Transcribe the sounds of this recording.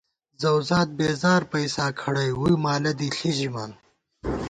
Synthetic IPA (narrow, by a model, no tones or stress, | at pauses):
zɐwzaːt̪̚beːzaːɾpɐjsaːkʰɐɽɐjwujmaːlɐd̪iɬiʑimaː